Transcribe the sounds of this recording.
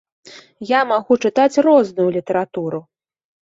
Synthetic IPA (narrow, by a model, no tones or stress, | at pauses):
jamaɣut͡ʂɨt̪at͡sʲrɔznujulʲit̪ɐɾat̪uɾu